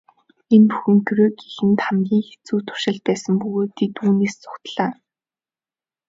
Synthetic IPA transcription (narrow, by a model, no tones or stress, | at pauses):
enpuxɘ̆ŋɡɵɾeːɡixɘ̆nt̪χamɡʲiːŋxe̥t͡suːt̪ʰʊ̥ʃɪ̆ɮt̪̚pæːsə̆mpɵɣoːt̪ʰːet̪uːneːst͡sʊ̥kt̪ɮaː